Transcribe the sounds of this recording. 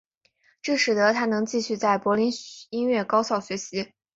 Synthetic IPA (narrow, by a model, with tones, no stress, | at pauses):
ʈ͡ʂɤ˥˩ʂɻ̩˨˩d̪ə˧˦t̪ʰa˥nɤ˧˥ŋt͡ɕi˥˧ɕy˥˧t͡sa˥˩ɪpwɔ˧˥li˧˥ni˥nɥɛ˥˩kɑ˥ʊɕjɑ˥˩ʊɕɥɛ˧˥ɕi˧˥